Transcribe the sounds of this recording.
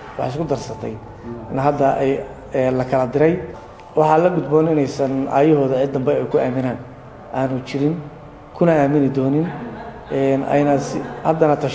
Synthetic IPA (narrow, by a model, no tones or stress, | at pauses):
wɑħɑɪs̬kʰʊd̪ɐrsɐt̪ʰɛ̰j | nɐɦɐd̪ɐʔɛj | ɛːlɐkʰɐlɐd̪ɪɾɛj | wɑħɑːlɐɡʊd̪bɔːnɪnɛjsɐnʔa̰ːjɐɦɔːðɐʕɪd̪ːɐmbɛɛjkʰʊaːmɪnaːn | ʔaːnʊt͡ʃɪɾɪn | kʰʊnɐaːmɪnɪd̪ɔːnɪn | ɛːnɐ̰nɐsɪhɐd̪ɐnɐt̪ʰɐʃ